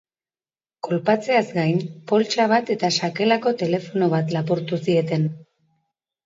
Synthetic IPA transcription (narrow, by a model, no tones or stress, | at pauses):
ko̞lpat͡se̞azɡajmpo̞lt͡ʃaβ̞at̪e̞t̪aʃake̞lako̞t̪e̞le̞fo̞no̞β̞at̪lapuɾt̪usie̞t̪e̞n